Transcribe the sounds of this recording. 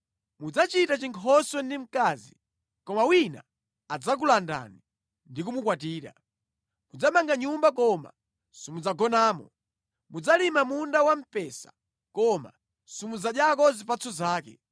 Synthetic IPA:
mud͡zat͡ʃitat͡ʃiŋkʰɔswɔndim̩kaːzi | kɔmawina̰ | ad͡zak̬ulanda̰ni | ndikumukwatiːɾa̰ | mud͡zamaŋɡaɲumbakɔma̰ | sɔmud͡zaɡɔnaːmɔ | mud͡zalimamundawam̩pɛsḁ | kɔma̰ | sɔmud͡zaɗjakɔzipat͡sʰɔzaːkɛ̰

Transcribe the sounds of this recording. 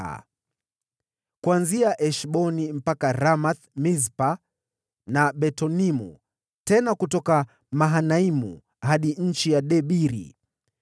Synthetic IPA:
a̰ | kuanziaʔɛʃɓɔnim̩pakaɾamaθmizpa | naɓɛtɔnimṵ | tɛnakutɔka | maɦanaimṵ | haɗiɲ̩t͡ʃijaɗɛɓiɾḭ

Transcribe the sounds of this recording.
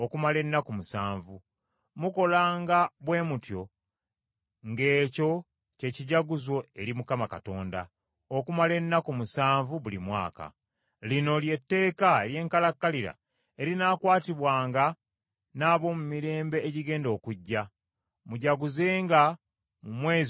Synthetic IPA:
okumale̞nːakumusaːɱvu | muko̞laːŋɡaβwe̞ːmutjo̞ | ŋɡe̞ːco̞ | ce̞ciɟaɡuzwo̞e̞ɾimukamakato̞ːnda̰ | okumale̞nːakumusaːɱvuβulimwa̰ːka̰ | lino̞lje̞tːe̞ːkaelje̞ːŋkalakːaliɾa̰ | e̞ɾinaːkwaːtiβwaːŋɡa | naːβo̞mumiɾe̞ːmbe̞ːɟiɡe̞ːndo̞ːkuɟːa | muɟaɡuze̞ːŋɡa | mumwe̞ːz

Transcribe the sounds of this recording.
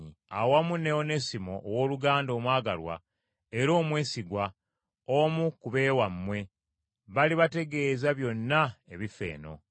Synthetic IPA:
awamune̞one̞simo̞ʔːwoːluɡaːndo̞ːmwaːɡalwa̰ | e̞ɾo̞ːmwe̞ːsiɡwa | omukuβe̞ːwamːwe̞ | βaliβate̞ɡe̞ːzaβjo̞nːaeβife̞̰ːno̞̰

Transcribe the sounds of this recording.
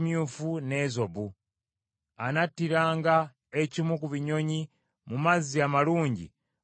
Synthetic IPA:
mjuːfune̞ːzo̞βu | anatːiɾaːŋɡa | ecimukuβiɲo̞ɲi | mumaziamaluːɲɟḭ

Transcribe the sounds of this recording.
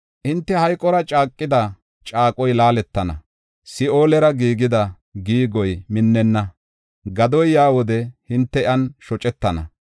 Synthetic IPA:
ʔɪnt̪ːɛhɐjkʼɔɾɐt͡ʃʼaːkʼːɪd̪ɐ | t͡ʃʼaːkʼɔjlaːlɛt̪ːɐnɐ̰ | sɪʔo̞ːlɛɾɐɡiːɡɪd̪ɐ | ɡiːɡɔjmɪnːɛnːɐ | ɡɐd̪ɔjjaːwɔd̪ɛhɪnt̪ːɛʔɐnʃɔt͡ʃʼɛt̪ːɐnɐ̰

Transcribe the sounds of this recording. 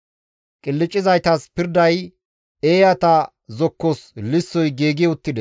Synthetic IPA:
kʼɪlːɪt͡ʃʼːɪzɐjt̪ɐspɪɾd̪ɐj | eːjɐt̪ɐ | zɔkːɔslɪsːɔjɡeːɡɪjʊt̪ːɪd̪ɛ

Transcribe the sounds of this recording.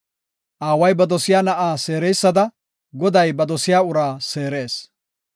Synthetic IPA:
ʔaːwɐjbɐd̪ɔsɪjaːnɐʔaːse̞ːɾejsːɐd̪ɐ | ɡɔd̪ɐjbɐd̪ɔsɪjaːʊɾaːse̞ːɾe̞ːs

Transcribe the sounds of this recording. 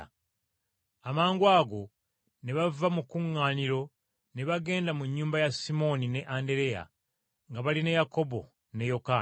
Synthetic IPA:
amaːŋɡwaːɡo̞ | ne̞βavamukuŋːaːniɾo̞ | ne̞βaɡe̞ːndamuɲːuːmbajasimo̞nine̞ʔande̞ɾe̞ja̰ | ŋɡaβalinejako̞bo̞̰ | nejo̞ka

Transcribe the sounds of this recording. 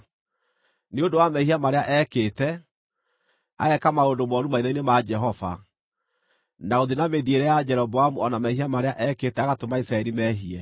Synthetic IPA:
neondowamɛhiamaɾeaʔɛkeːtɛ | a̰ɛkamaondomɔɾumaiðɔinemad͡ʒɛɦɔva̰ | naoðinameðieɾɛjad͡ʒɛɾɔbɔamuɔnamɛɦiamaɾeaʔɛketɛaɣatomaisɾaɛɾimɛɦiɛ

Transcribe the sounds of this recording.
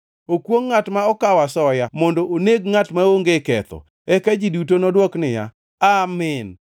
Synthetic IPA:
okwoŋːatmaɔkawasɔjamondoʔoneɡŋatmaoŋɡekɛt̪ɔ̰ | ɛkad͡ʒidutonɔdwɔknɪja̰ | amɪn

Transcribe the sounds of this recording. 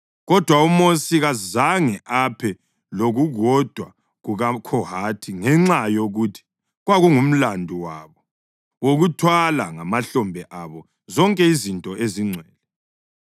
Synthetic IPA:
ɣɔd̥ʱwaumosiɣazaŋɛʔapʰɛ | loɣuɣɔd̥ʱwa | ɣuɣakʰɔhatʰiŋɛŋ͡ǁajoɣutʰi̥ | ɣwaɣuŋum̩landʱuwaβɔ | woɣutʰwalaŋamaɬɔmbʱɛʔaβɔ | zɔŋkʼɛizintʼɔʔeziŋ͡ǀʱwɛːlɛ

